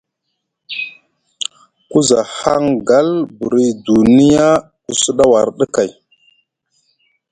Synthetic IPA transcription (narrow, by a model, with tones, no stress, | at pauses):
ku˦za˨ha˦ŋɡa˦lbṵ˨ɾi˦du˨ni˦ja˦ | ku˨su˦ɗa˦wa˨ɾɗə˦ka˨j